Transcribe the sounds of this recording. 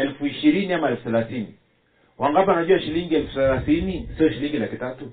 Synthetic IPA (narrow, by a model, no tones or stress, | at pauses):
ɛlfuiʃiɾiniamaɛlfuθalaθini | waŋɡapɔanaʄuaʃiliŋɡiɛlfuθalaθinisiɔʃiliŋɡilakitatu